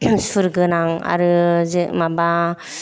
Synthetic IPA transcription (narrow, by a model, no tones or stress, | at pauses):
sɯɾɡɯnaŋa̰ɾɯzɯmaba